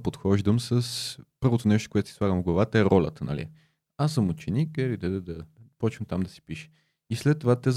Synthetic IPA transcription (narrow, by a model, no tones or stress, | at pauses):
pot̪xɔʒd̪əmsəspɤɾvot̪onɛʃt̪o̥koɛt̪o̥si̥slˠaɡəmvɡlˠɐvat̪əɛɾɔlʲə̰t̪ənɐ̰lḭ | asəmut͡ʃɛnikilid̪ɛd̪ɛd̪ɐpɔt͡ʃvəmt̪amd̪ɐsi̥piʃɛ̥ | islɛt̪ːovat̪ɛz